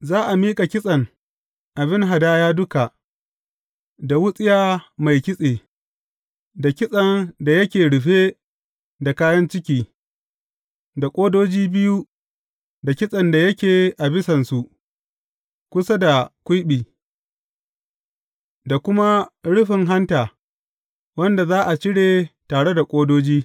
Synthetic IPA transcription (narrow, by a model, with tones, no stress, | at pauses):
zaː˦ʔa˨miː˦kʼa˨kʲɪ˦sʼɐ˨ŋ | ʔa˨bɪ˦ŋɦa˨daː˦jaː˦dʊ˦ka˨ʔ | da˨wʊ˦sʼɪ˦jaː˦ma˨jkʲɪ˦sʼeː˨ | da˨kʲɪ˦sʼɐ˨nda˨jɐ˦kʲeː˨ɽʊ˨ɸeː˦ | da˨kaː˦jɐ˦nt͡ʃɪ˦kʲiː˦ | da˨kʷʼoː˦doː˦d͡ʒiː˦bɪ˦ju˦ | da˨kʲɪ˦sʼɐ˨nda˨jɐ˦kʲeː˨ʔa˨bɪ˦sɐ˨nsu˨ʔ | kʷʊ˦sa˦da˨kʷʊ˦jɓiː˨ | da˨kʷʊ˦ma˦ɽʊ˦ɸɪ˨ŋɦa˦ntaː˨ | wɐ˦nda˨zaː˦ʔa˨t͡ʃɪ˦ɽeː˨taː˨ɽe˦da˨kʷʼoː˦doː˦d͡ʒiː˦